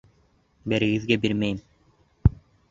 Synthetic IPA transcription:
beɾiɡizɡebiɾmejm

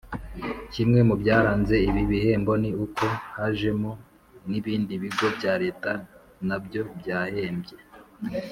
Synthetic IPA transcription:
cimŋe̞mubjaːɾaːnze̞iβiβihe̞ːmbo̞niukʰo̞haʒe̞mo | niβiːndiβiɡo̞bjaːɾe̞ːta | nabjo̞bjaːhe̞ːmbje̞

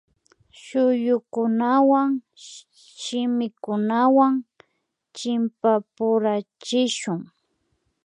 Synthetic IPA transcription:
ʃʊjʊkʊnawaŋ | ʃɪmɪkʊnawaŋ | t͡ʃɪmpapʊɾat͡ʃɪʃʊŋ

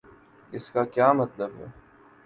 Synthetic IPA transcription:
ɪskakʲjaːmɐt̪lɐbə̰

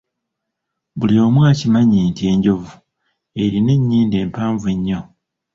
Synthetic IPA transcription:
bulio̞ːmwaːcimaɲiːnte̞ːɲɟo̞vu | e̞ɾine̞ɲːiːnde̞ːmpaːɱvueɲːo̞

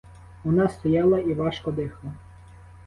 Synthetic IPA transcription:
ʋɔnɑst̪ɔjɑlˠɐiʋɑʃkɔd̪ɪxlˠɐ

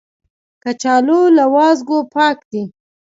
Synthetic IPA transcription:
kat͡ʃɑlolawɑzɡopɑkd̪i

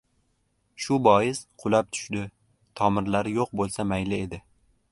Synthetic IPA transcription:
ʃʊbɒjɪsqʰʊlˠap̚t̪ʰʊ̥ʃd̪ɪ | t̪ʰɒmɪɾlaɾɪjoq̚bolˠsamajlɪe̞d̪ɪ

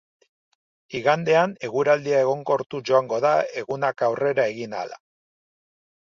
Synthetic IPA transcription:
iɣand̪e̞ane̞ɣuɾald̪iae̞ɣ̞o̞ŋɡo̞ɾt̪uʝo̞aŋɡo̞ðae̞ɣunakawre̞ɾaeɣina̰la̰

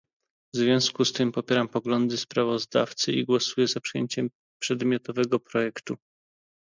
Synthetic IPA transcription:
vzvʲjɔ̃w̃skust̪ɘmpɔpʲjɛɾampɔɡlɔnd̪ɘspɾavɔzd̪a̰ft̪sɘʔiɡwɔsujɛzapʂɘjeɲt͡ɕɛm | pʂɛd̪mʲjɔt̪ɔvɛɡɔpɾɔjɛkt̪u

